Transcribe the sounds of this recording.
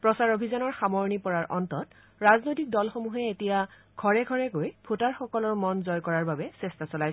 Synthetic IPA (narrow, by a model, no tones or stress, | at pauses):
pɹɔsaɹobʱizanɔɹxamɔɹnipɔɹaɹʔɔ̰ntɔt | ɹaznojtik̚dɔlxomuɦɛetija | ɡʱɔɹɛɡʱɔɹɛkojpʰotaɹxɔkɔlɔɹmɔnzɔjkɔɹaɹbabɛsɛstasɔlajs